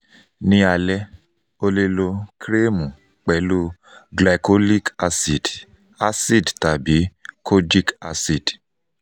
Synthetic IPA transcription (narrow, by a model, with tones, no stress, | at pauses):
nĩ˧a˨lɛ˦ | o˧le˧lo˧kɾe˦mũ˨ | k͡pɛ˨˦lu˦ | ɡla˨ko˦li˦ka˧si˨d | a˦si˦˨dta˨bi˨˦kʰo˦d͡ʒi˦ka̰˧si˦˨d̥